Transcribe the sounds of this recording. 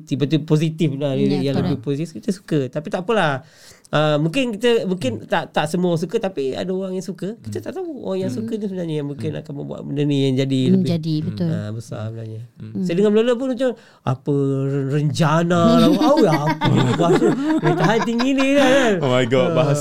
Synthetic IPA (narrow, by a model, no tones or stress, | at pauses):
t̪ipat̪̬upos̬it̪iflalilʔjaŋləbbɪhposit̪ifkit̪əsu̥kət̪apit̪aʔpəlah | ʔəmũkɪnkit̪əmuŋkɪnt̪aʔt̪aʔsəmuas̬ukət̪apia̰daoɾaŋjaŋsukəkit̪ət̪aʔt̪auo̰ɣaŋjaŋsukənisəbənaɲəjaŋmuŋkɪna̰kanməbua̰ʔbəndənijaŋd͡ʒadiləbɪd͡ʒadibət̪ʊə̰bəsa̰sbəna̰ɲasajdəŋaməloləp̬ʊnmat͡ʃam | a̰pərəɲt͡ʃanalaawapəit̪ubuat̪unat̪aɦant̪iŋɡinilakaoajɡɔbaɦa